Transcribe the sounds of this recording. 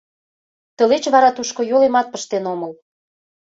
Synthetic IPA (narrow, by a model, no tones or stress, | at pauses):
t̪ə̆let͡ɕβɑɾɑt̪uʃkojolemɑt̪̚pəʃt̪enoməl